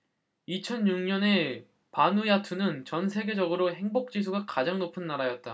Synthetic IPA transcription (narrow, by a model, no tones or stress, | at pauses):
it͡ɕʰʌnjuŋɲʌne̞ | panujatʰunɯnt͡ɕʌnsʰe̞ɡe̞d͡ʑʌɡɯɾoɦe̞ŋbok̚t͡ɕ͈is̬ʰuɡakad͡ʑaŋnopʰɯnːaɾajʌt̚t͈a